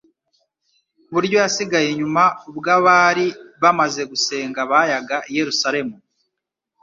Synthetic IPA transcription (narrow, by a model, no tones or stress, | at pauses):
βuɾjo̞jasiɡajeɲumaubɡaβaːɾiβamaze̞ɡuse̞ːŋɡaβajaɡaije̞ɾusaɾe̞mu